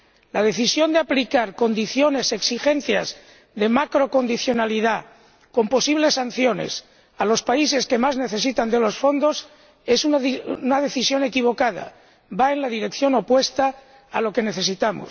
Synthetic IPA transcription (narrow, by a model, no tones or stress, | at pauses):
lað̞e̞θisjo̞nd̪eaplikaɾko̞nd̪iθjo̞ne̞se̞ksixe̞n̟θjaz | ðe̞makɾo̞ko̞nd̪iθjo̞naliða | ko̞mpo̞siβle̞san̟θjo̞ne̞̰s | alo̞spaise̞ske̞mazne̞θe̞sit̪and̪e̞lo̞sfond̪o̞s | e̞sununaðeθisjo̞ne̞kiβ̞o̞kað̞a̰ | baenlaðiɾe̞kθjo̞no̞pwe̞st̪aː | lo̞ke̞ne̞θe̞sit̪amo̰s